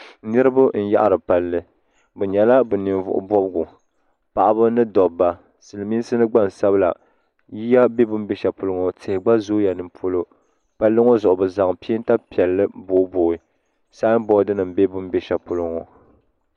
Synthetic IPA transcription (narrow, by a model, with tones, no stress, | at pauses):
nɨ˦ɾɨ˦bʊ˦n̩˨ja̰˦ʔa˦ɾɨ˨pa˨lːɨ˦ | bɛ˨ɲɛ˨la˦bɨ˨ni˨nvʊ̰˨ʔʊ̰˨bɔ˦bɡu˨ | pa˨ʔa˦bɨ˦nɨ˦dɔ˨bːa˨ | sɨ˨lɨ˨mi˦sɨ˦nɨ˦ɡ͡ba˦n˨sa˦bɨ˦la̰˨ | ji˦ja˦be˦bʊ˦mbe˦ʃa˨pʊ˨lʊ˦ŋo˨tʰɪ˨hɪ˨ɡ͡ba˦zo˦ja˨nɨ˨mpʰo˦lo˦ | pa˦lːɨ˦ŋo˦zʊ˨ʔʊ˨bɨ˨za˨ŋpi˦i˦n˦ta˦pi˨ɛ˨lːɨ˦bo˦boː˨ɪ˦ | saː˦bɔ˦dɨ˦nɨ˨mbe˦bʊ˦mbe˦ʃa˨pʊ˨lʊ˦ŋo˨